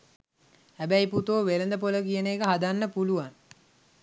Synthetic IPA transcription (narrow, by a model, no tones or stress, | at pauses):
hæbæjput̪oːʋelənd̪əpoləkijəneːkəɦad̪anːəpuluʋaŋ